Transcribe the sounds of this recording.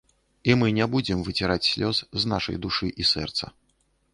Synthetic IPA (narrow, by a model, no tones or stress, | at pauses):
imɨnʲɛbud͡zʲɪmvɨt͡sʲɛɾat͡sʲsʲlʲɔsznaʂɐ̰jd̪uʂɨʔisɛ̰rt̪sɐ̰